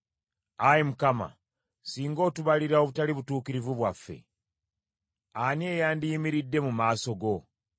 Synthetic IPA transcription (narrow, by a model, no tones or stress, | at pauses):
ajemukama̰ | siːŋɡo̞ːtuβaliɾaoβutaliβutuːkiɾivuβwafːe̞̰ | anie̞ːjaːndijimiɾidːe̞mumaːso̞ɡo̞